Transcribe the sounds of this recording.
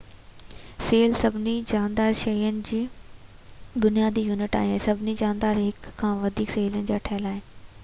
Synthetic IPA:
seːlsɐbʱɪnid͡ʑaːnd̪aːɾʃɐjənɪ̆d͡ʑiː | bʊnijaːd̪ijuːnɪʈa̰ːɦiẽsɐbʱɪnid͡ʑaːnd̪aːɾɦɪkʰːãːʋɐd̪ʱiːkseːlənɪ̆d͡ʑaːʈʰaːəlaːɦeː

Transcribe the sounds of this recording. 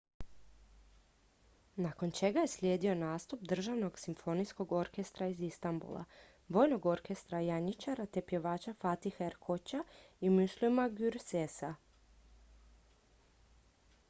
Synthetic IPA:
nako̞nt͡ʃe̞ɡaje̞slʲjeːd̪io̞naːst̪up̚d̪r̩ʒaʋno̞ɡsimfo̞nisko̞ɡo̞ɾke̞st̪ɾaizist̪ambṵlˠa̰ | ʋo̞ːjno̞ɡo̞ɾke̞st̪ɾajaɲit͡ʃaɾat̪e̞pje̞ʋaːt͡ʃafat̪ixaeɾkʰot͡ɕaimuʃlˠimaɡyɾsesa

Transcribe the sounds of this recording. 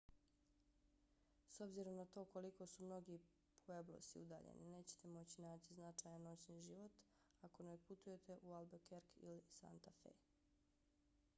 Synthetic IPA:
so̞bziɾo̞mnat̪o̞ːko̞liko̞sumno̞ɡi | pʰoeblˠo̰sḭud̪a̰ːʎḛnḭne̞ːt͡ɕe̥t̪e̞mo̞t͡ɕinaːt͡ɕiznat͡ʃaːjanːo̞t͡ɕniʒiʋo̞t̪ | ako̞neput̪uje̞t̪e̞ʔualˠbekeɾkḭlisa̰nt̪afḛ

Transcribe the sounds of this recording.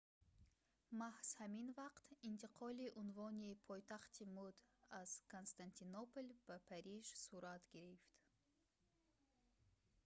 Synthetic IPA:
mahshaminvaqt̪int̪ʰiqʰɔliʔunvɔnipʰɔjt̪ʰaχt̪ʰimud̪az̥kʰonst̪ant̪ʰinopolbapʰaɾiʒsuɾat̪ɡiɾift̪

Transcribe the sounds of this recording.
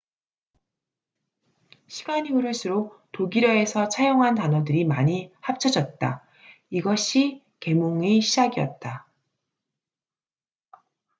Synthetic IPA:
ɕʰi̥ɡaɲiuɾɯɭsʰɯɾotoɡiɾjʌe̞sʰʌt͡ɕʰajoŋɦantanʌdɯɾimaɲihap̚t͡ɕʰʌd͡ʑʌt̚t͈a̰ | iɡʌɕʰi | ke̞moŋeɕʰid͡ʑaɡiʌ̰t̚t͈a

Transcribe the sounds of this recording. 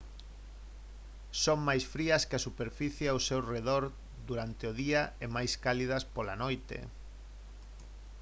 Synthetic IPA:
soŋmajsfɾiɐskeasupeɾfiθjawsewreðoɾ | d̪uɾant̪eʊðiɐemajskalið̞ɐspolanojt̪ḛ

